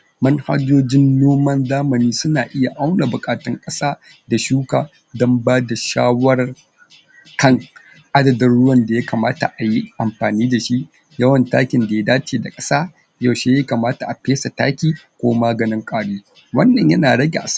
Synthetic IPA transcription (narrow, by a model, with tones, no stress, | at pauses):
mɐ˦ŋha̰˦d͡ʒoː˦d͡ʒɪ˦nːoː˦mɐ˦nzaː˦mɐ˨niː˦sʊ˦naː˨ʔɪ˦ja˨ʔa˦wna˨bʊ˨kʼaː˨tɐ˦ŋkʼɐ˦saː˦ | da˨ʃuː˦kaː˨ | dɔ˦mbaː˦da˨ʃaː˦wɐ˦r | kɐ˦˨ŋ | ʔa˦dɐ˨dɐ˦nɽʊ˦wɐ˨nda˨ja˦kɐ˨maː˦ta̰˨ʔa˨ji˦ʔa˨mɸaː˨niː˦da˨ʃi˦ʔ | jɐ˦wɐ˨ntaː˦kʲɪ˨nda˨ja˦daː˦t͡ʃeː˨da˨kʼɐ˦saː˦ | ja˨wʃe˦ja˦kɐ˨maː˦ta˨ʔa˨peː˦sa˨ta̰ː˦kʲiː˨ | kʷoː˦maː˦ɡɐ˨nɪ˦ŋkʼaː˦ɽeː˦ | wɐ˦nːɐ˨ɲjɐ˦naː˨ɽɐ˦ɡʲe˨ʔa˨s